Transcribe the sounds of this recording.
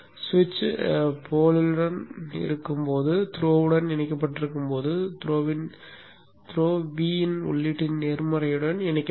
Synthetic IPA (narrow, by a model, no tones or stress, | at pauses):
sʋɪt͡ʃːpʰoːlɪlɯɽɐnɪ̰ɾɯkːɯmpoːðɯt̪ɪɾoːʋɯɽɐnɛnɐk̬ːɐp̬ːɐʈːɪɾɯkːɯmpoːðɯt̪ɾoːʋɪn | t̪ɪɾoːʋiːnʊ̰ɭːɪʈːɪnneːɾmɐɾɐjɯɽɐnɛnɐkʲː